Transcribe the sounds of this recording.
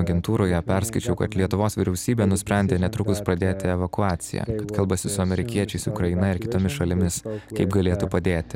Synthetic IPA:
ɐɡʲɛnt̪uːɾoːjɛpʲɛɾskɐɪt͡ʃʲɛʊkɐt̪lʲiɛt̪ʊʋoːsʋʲiɾʲɛʊsʲiːbʲeːnʊsʲpʲɾʲæˑnʲd̪ʲeːnʲɛt̪ɾʊkʊspɾɐd̪ʲeːt̪ʲɪɛʋɐkʊɑːt̪sʲɪ̰jæ̰ːkɐt̪kɐlˠbɐsʲɪsʊɐmʲɛɾʲɪkʲiɛt͡ʃʲɛɪsʊkɾɐɪnɐɪɾkʲɪt̪oːmʲɪsʃɐlʲɪmʲɪskɐɪpɡɐlʲeːt̪upɐd̪ʲeːt̪ʲɪ̥

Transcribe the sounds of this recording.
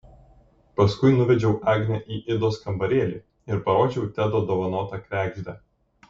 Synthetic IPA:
pɐskʊɪnʊʋʲɛd͡ʒʲɛʊʔæːɡʲnʲɛʔiːʔɪd̪oːskɐmbɐɾʲeːlʲiː | ɪɾpɐɾoːd͡ʒʲɛʊt̪ʲæd̪oːd̪oːʋɐnoːt̪ɑkɾʲæːɡʒʲd̪ʲæ

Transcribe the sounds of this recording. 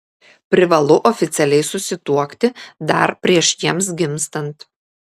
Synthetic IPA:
pʲɾʲɪʋɐlˠʊʔɔfʲɪt̪sʲɛlʲɛɪsʊsʲɪt̪uɔkt̪ʲɪd̪ɐ̰ɾpʲɾʲiɛʃjiɛms̬ɡʲɪmst̪ɐnt̪

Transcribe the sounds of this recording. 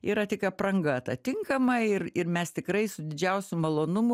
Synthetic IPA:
iːɾɐt̪ʲɪkɐprɐŋɡɐt̪ɐt̪ʲɪŋkɐmɐɪrɪrmʲɛst̪ʲɪkrɐɪsʊd̪ʲɪd͡ʒʲɛʊsʲʊmɐlˠoːnʊmʊ

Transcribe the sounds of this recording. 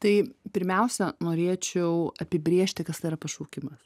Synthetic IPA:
t̪ɐɪpʲɪɾʲmʲɛʊsʲɛnoːɾʲeːt͡ʃʲɛʊɐpʲɪbʲɾʲeːʃʲt̪ʲɪkɐst̪ɐɪiɾɐpɐʃuːkʲɪmɐs

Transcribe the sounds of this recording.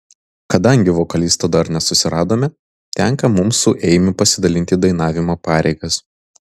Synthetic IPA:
kɐd̪ɐŋʲɡʲɪʋɔkɐlʲist̪ɐd̪ɐɾnʲɛsʊsʲɪɾɑːd̪oːmʲɛ | t̪ʲɛŋkɐmʊmsʊʔɛɪmʲɪpɐsʲɪd̪ɐlʲɪnʲt̪ʲid̪ɐɪnɑːʋʲɪmoːpɑːɾʲʔɛɪɡɐs

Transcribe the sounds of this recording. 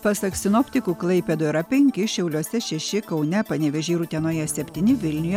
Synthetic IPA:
pɐsɐksʲɪnɔpʲt̪ʲɪkuːklˠɐɪpʲɛd̪oiɾɐpʲɛŋʲkʲɪʃʲɛʊlʲuɔsʲɛʃʲɛʃʲɪkɐʊnʲɛpɐnʲɛʋʲɛʒʲeːɾuːt̪ʲiɛnoːjɛsʲɛpʲt̪ʲiːnʲɪʋʲɪlʲnʲʊjɛ

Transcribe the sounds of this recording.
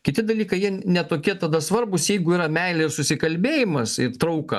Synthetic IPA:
kʲɪt̪ʲɪd̪ɐlʲiːkɐɪjiɛnʲɛt̪oːkʲiɛt̪ɐd̪ɐsʋɐɾbʊsjɛɪɡʊiːɾɐmʲɛɪlʲesʊsʲɪkɐlʲbʲeːjɪmɐsɪɾt̪ɾɐʊkɐ̰

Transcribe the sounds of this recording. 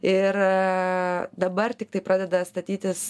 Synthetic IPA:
ɪɾ | d̪ɐbɐrt̪ʲɪk̚t̪ɐɪpɾɑːd̪ʲɛd̪ɐst̪ɐt̪ʲiːt̪ʲɪs

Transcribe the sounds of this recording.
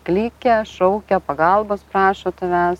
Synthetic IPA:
klʲiːkʲɛʃɔʊkʲɛpɐɡɐlˠboːspɾɑːʃot̪ʊʋʲɛs

